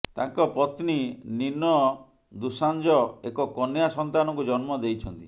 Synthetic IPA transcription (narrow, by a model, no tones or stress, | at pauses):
t̪ãŋkɔpɔt̪nininɔ | d̪usand͡ʒɔekɔkɔnjasɔnt̪anɔŋkud͡ʒɔnmɔd̪ejt͡ʃʰɔnt̪i